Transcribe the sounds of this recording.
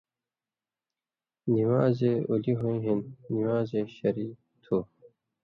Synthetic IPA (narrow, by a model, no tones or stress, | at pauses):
niwaːzeuliɦuĩɦinːiwaːzeɕɐɾi | t̪ʰu